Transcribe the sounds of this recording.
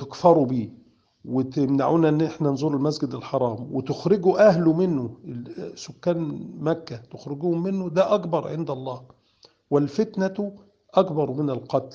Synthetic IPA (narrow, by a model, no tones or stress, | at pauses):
t̪ɪkfɑɾˤubiː | wɪt̪ɪmnaʕuːnæʔenːʔeħnænzˤuːɾɪlmæsɡɪd̪ɪlħɑɾˤɑːmwet̪oxɾɪɡuʔæhlʊmɪnːʊ | sʊkːæːnmækːæt̪oxɾɪɡuːhʊmːɪnːod̪æʔækbɑɾˤʕeɪnd̪ælˤːɑːh | wælfet̪næt̪ | ʔækbɑɾˤmɪnælqɑt̪l